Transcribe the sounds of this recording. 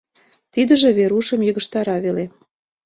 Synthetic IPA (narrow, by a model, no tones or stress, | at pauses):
t̪id̪ə̆ʒĕβeɾuʃə̆mjəɣə̆ʃt̪ɑɾɑβele